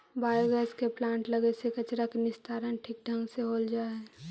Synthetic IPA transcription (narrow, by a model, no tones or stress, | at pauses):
baːjoɡəskeplãːɳʈləɡesekət͡ʃɾakenɪst̪ʰaːɾənʈʰiːk̚ɖʱə̃ŋɡseɦoːld͡ʒaːe